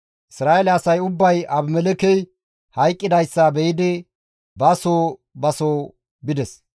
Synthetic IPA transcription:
ʔɪsɾaːelɛɐsɐjʊbːɐjɐbmɛlɛkɛj | hɐjkʼːɪd̪ɐjsːɐbɛjɪd̪ɪ | bɐsoː | bɐsoː | bɪd̪ɛs

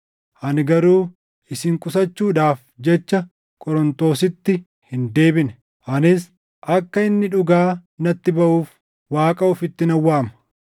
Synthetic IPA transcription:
ʔɐnɡɐɾuː | ɪsɪŋkʼʊsɐt͡ʃːuːᶑaːfd͡ʒɛt͡ʃːɐ | kʼɔɾɔnt̪o̞ːsɪt̪ːɪ | hɪnd̪e̞ːbɪnɛ | ʔɐnɪs̬ | ʔɐkːɐɪnːɪᶑʊɡaːnɐt̪ːɪbɐʔuːf | waːkʼɐʊfɪt̪ːɪnɐwːaːmɐ̥

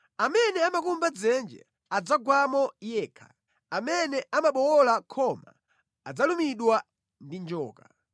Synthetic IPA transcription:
amɛnɛamakumbad͡zɛnd͡ʒɛ̰ | ad͡zaɡwamɔjɛːkʰḁ̰ | amɛnɛamaɓɔwɔlakʰɔma̰ | ad͡zalumiɗwa | ndind͡ʒɔ̰ːka

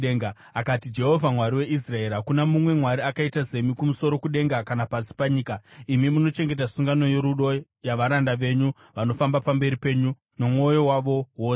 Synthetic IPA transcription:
eŋa | akatid͡ʒe̞ɦo̞vʱamwaɾiwe̞ʔis̬rae̞ɾɦakunamumwe̞mwaɾiakaitaze̞mikumuso̞ɾo̞kuɗe̞ŋɡakanapasi̥paɲiːkaimimuno̞t͡ʃe̞ŋɡe̞t̬asuŋɡano̞je̞ɾuɗo̞ | jaʋaɾandaʋe̞ɲu | ʋano̞fambapambe̞ɾipe̞ɲu | no̞mo̞jo̞waʋo̞woː

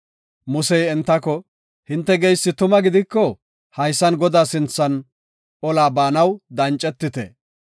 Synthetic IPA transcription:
mʊsɛjɛnt̪ːɐkɔ | hɪnt̪ːɛɡɛjsːɪt̪ʊmɐɡɪd̪ɪkːɔ | hɐjsːɐnɡɔd̪aːsɪnt͡sːɐn | ɔlaːbaːnɐwd̪ɐnt͡ʃʼɛt̪ːɪt̪ɛ̰

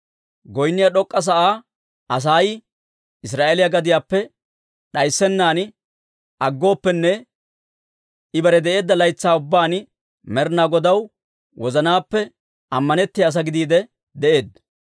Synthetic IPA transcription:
ɡɔjnːɪjɐɗɔkʼːɐs̬ɐʔaː | ɐs̬aːj | ɪs̬ɾaːʔeːlɪjaɡɐd̪ɪjaːpːɛ | ɗɐjsːɛnːaːn | ʔɐɡːo̞ːpːɛnːɛ | ɪbɐɾɛd̪ɛʔe̞ːd̪ːɐlɐjt͡sːaːʊbːaːn | mɛɾnaːɡɔd̪ɐw | wɔzɐnaːpːɛ | ɐmːɐnɛt̪ːɪjaːs̬ɐɡɪd̪iːd̪ɛ | d̪ɛʔe̞ːd̪̚

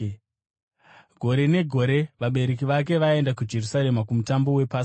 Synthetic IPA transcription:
ɡʱo̞ɾe̞ne̞ɡʱo̞ɾe̞ʋaɓe̞ɾek̬iʋak̬e̞ʋae̞ndakud͡ʒe̞rusaɾe̞makumutambo̞we̞paːs

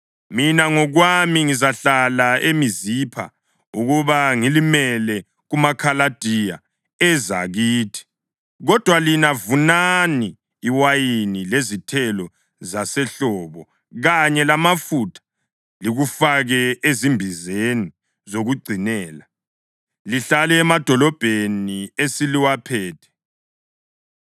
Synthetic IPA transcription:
minaŋɔɣwamiŋizaɬalaʔemizipʰa̰ | uɣuβaŋilimɛlɛ | ɣumakʰalad̥ʱija̰ | ɛza̰ɣiːtʰi̥ | ɣɔd̥ʱwalinavunaniː | wajinilezitʰɛlɔ | zasɛɬɔβɔ | ɣaɲɛlamafutʰḁ | liɣufaɣɛezimbʱizeni | zoɣuɡ͡ǀʱinɛːla | liɬalɛːmad̥ʱɔlɔb̥ʱeniesiliwapʰɛːtʰɛ̥

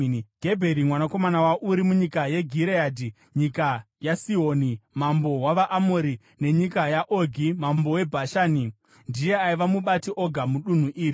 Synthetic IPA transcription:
ɡʱe̞bʱe̞ɾimwanako̞manawaʔuɾimuɲikaje̞ɡʱiɾeaːdʱi | ɲikajasioːnimambo̞waʋaʔːmoɾi | ne̞ɲikajaʔoɡʱimambo̞we̞bʱaʃaːni | ndije̞aiʋamuɓatiʔo̞ɡʱamuɗun̤uʔiːri

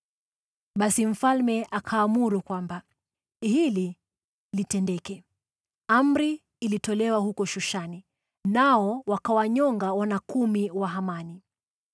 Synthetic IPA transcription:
ɓasim̩falmɛʔakʰaːmuɾukwamba | hili | litɛndɛkɛ | am̩ɾiː | litɔlɛwahukɔʃuʃani | naɔwakawaɲɔŋɡawanakumiwaɦamani

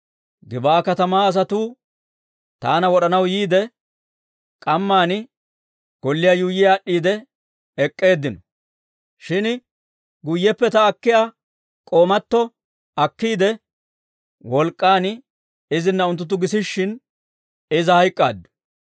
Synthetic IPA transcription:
ɡɪbaːkɐt̪ɐmaːɐs̬ɐt̪uː | t̪aːnɐwɔɗɐnɐwjiːd̪ɛ | kʼɐmːaːnɪ | ɡ̥ɔlːɪjaːjuːjɪjaːɗːiːd̪ɛ | ɛkʼːe̞ːd̪ːɪnɔ | ʃɪn | ɡʊjːɛpːɛt̪ɐːkːɪja | kʼoːmɐt̪ːɔ | ɐkːiːd̪ɛ | wɔlkʼːaːn | ɪzɪnːɐʊnt̪ːʊt̪̬ːʊɡɪsɪʃːɪn | ɪzɐhɐjkʼːa̰ːd̪ːʊ̥

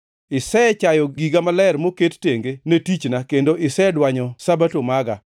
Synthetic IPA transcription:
ɪsɛt͡ʃajɔɡiɡamalɛrmoketteŋɡenetit͡ʃnakendoʔɪsɛdwaɲɔsabatomaɡa

